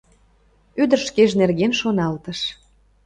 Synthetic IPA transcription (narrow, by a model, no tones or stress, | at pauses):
yd̪ərʃkeʒnerɣenʃonɑlt̪əʃ